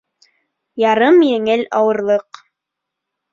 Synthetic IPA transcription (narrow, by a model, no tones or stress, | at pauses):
jɑɾɤmjɘ̆ŋɘlɑwɤ̆ɾlˠɤq